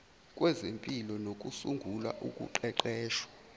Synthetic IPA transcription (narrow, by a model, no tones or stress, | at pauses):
kʼwʔɛzempʼilɔnokʼusuŋɡʱulwa̰ʔukʼṵǃɛǃɛːʃwḁ